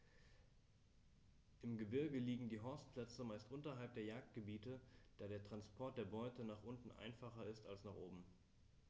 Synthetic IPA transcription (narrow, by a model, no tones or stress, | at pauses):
ʔɪmɡəbɪɐɡəliːɡŋ̩diːɦɔɐstpl̥ɛt͡səmaɪstʔʊntɐɦalp̚d̥eːɐjaːk̚t̚ɡ̥əbiːtəd̥aːɾeːɐtʁ̥anspʰɔɐt̚d̥eːɐbɔʏtənaːχʔʊntn̩ʔa̰ɪnfaχɐɪstalsnaːχʔoːbm̩